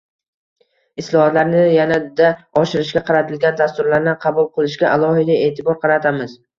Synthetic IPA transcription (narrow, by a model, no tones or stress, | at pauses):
ɪslˠɒhɒt̪laɾnɪjanad̪aɒʃɪɾɪʃɡʲaqʰɑɾat̪ʰɪlɡʲand̪ast̪ʊɾlaɾnɪqʰɑbʊlˠqʰɨlˠɪʃɡʲaʔalˠɒhɪd̪ae̞ːt̪ʰɪbɒɾqʰɑɾat̪ʰamɪz̥